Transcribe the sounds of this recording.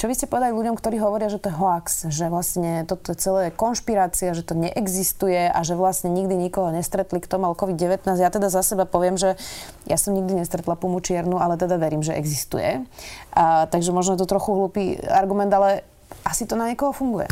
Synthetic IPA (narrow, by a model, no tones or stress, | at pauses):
t͡ʃɔʋiscɛpɔʋɛd̪aliluɟɔmkt̪ɔɾiːɦɔʋɔɾɪaʒɛt̪ɔjɛɦɔaksʒɛʋlasɲɛt̪ɔt̪ɔjɛt͡sɛlɛːjɛkɔnʃpiɾaːt͡siaʒɛt̪ɔɲɛʔɛɡzist̪ujɛʔa̰ʒɛʋlasɲɛɲiɡd̪iɲikɔɦɔɲɛst̪ɾɛt̪likt̪ɔmualɔkɔʋid̪ɟɛʋɛt̪naːzɟjaːt̪ɛd̪azasɛbapɔʋɪɛmʒɛ | jʔasɔmɲiɡ̚d̪iɲɛst̪ɾɛt̪lapumut͡ʃɪɛɾnualɛt̪ɛd̪aʋɛɾiːmʒɛʔɛ̰ɡzist̪ṵjɛ̰ | t̪aɡʒɛmɔʒnɔjɛt̪ɔt̪ɾɔxuɦluːpiaɾɡumɛnd̪alɛ | ʔasit̪ɔnaɲɛkɔɦɔfuŋɡujɛ̰